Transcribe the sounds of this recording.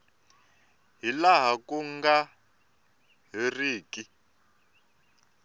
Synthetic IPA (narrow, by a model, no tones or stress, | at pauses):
ɦilaɦakuŋɡa | ɦiriːki